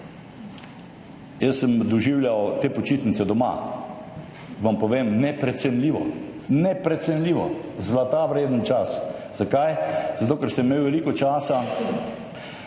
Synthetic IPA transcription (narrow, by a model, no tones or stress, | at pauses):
jəsːəmd̪ɔʒiwljawt̪eːpɔt͡ʃiːt̪nit̪sɛd̪ɔma̰ | ʋampɔʋeːmnɛpɾɛt̪sɛnlʲiːʋɔ̰nɛpɾɛt̪sɛnlʲiːʋɔ̰zlat̪aʋɾeːd̪ənt͡ʃasz̥akajzat̪oːkɛɾsəmmeːwʋɛliːkɔt͡ʃaːsa